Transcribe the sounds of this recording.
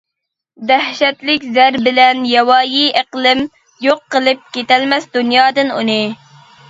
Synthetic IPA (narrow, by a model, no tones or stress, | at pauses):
d̪æhʃɛt̪lɪkʲzæɾbɪlɛnjɛwɑːjiʔəqlˠɪm | joqːəlˠɪp̚kʲet̪ɛlmɛsd̪unjɑːd̪ɨnṵnɨ